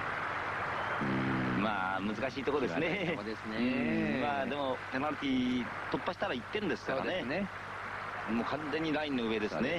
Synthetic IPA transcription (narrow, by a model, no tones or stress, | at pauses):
ɯ̃maːmɯ̟zɨkaɕiːt̪o̞kod̪e̞sɨned̪esnemaːd̪e̞mo̞penaɾɯt̪ʲi | t̪o̞pːaɕi̥t̪aɾait̪ːẽ̞nd̪e̞sɨ̥kaa̰nene | mokʰãnze̞ɲ̟ːiɾaĩnːo̞ɯ̟βe̞d̪e̞sne̞